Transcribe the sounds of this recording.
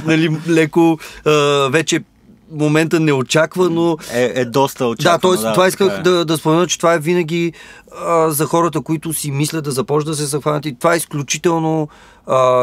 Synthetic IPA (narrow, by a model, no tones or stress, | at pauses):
nɐlilɛkoəvɛt͡ʃɛ | momɛnt̪ənɛot͡ʃakvənoɛd̪ɔst̪əod̪at̪ɔɛst̪ovaiskəd̪ɐd̪ɐspomɛnət͡ʃɛ̥t̪ovaɛvinəɡ̟ʲi | əzɐxɔɾət̪əkoit̪ʊsimislʲət̪d̪ɐzɐpɔt͡ʃd̪əs̬ɛzɐxvanət̪it̪ovaɛisklʲut͡ʃit̪ɛlˠno | ə